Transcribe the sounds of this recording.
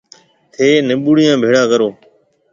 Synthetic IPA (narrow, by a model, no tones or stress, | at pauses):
t̪ʰeːnɪɓuːɽɪjãːbʱeːɽãːkəɾoː